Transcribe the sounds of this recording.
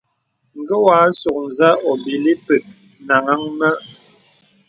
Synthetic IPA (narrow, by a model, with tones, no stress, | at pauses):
ŋ̩˨ɡə˦waː˨˦so˨k̚n˨za˦ɔ˨bi˨li˦pə˨t̚ | na˨ŋa˦ŋmə˦ʔ